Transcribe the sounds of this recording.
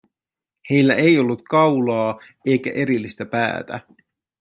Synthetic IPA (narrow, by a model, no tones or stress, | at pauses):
he̞jlːæʔe̞jo̞lːut̪kɑwlɑː | e̞jk̟æ̰ʔe̞ɾilːist̪æpæ̰ːt̪æ̰